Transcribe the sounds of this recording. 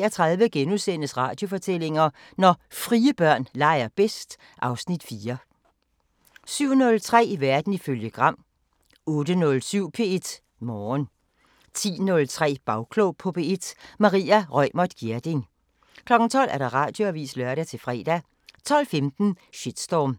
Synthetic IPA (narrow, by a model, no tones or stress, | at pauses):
ɐt͡sʰʁɑðˠʋəɡ̥enuðˠsen̰əsʁɑ̈ːd̥jo̝fɒ̽t͡sʰel̰e̝ŋɐ | nɒfʁiːəb̥ɶɐ̰nlɑ̈ɪ̰ɐb̥esd̥ | ʔɑ̈ʊsnid̥fiːɐ | syʊ̰nɔ̽lt͡sʰʁɛ̰ːiʋæɐd̥n̩iføljəɡ̥ʁɑ̈m̰ | ɔ̽ːd̥ənɔ̽lsyʊ̰pʰe̝ːed̥ | mɒːn | t͡sʰḭːnɔ̽lt͡sʰʁɛ̰ːb̥ɑ̈ʊkʰloʊpʰɒ̽pʰe̝e̝d̥mɑ̈ʁḭːæʁœɪmɒd̥ɡ̥iɐd̥e̝ŋ | kʰlɒ̽ɡ̥n̩t͡sʰɒ̽l̰æɐɾ̥ɑ̈ʁɑ̈ːd̥jo̝æʋḭːslɶɐɾæt͡sʰe̝lfʁɛ̰ːd̥æ | t͡sʰɒ̽l̰femd̥n̩ɕed̥sd̥ɒm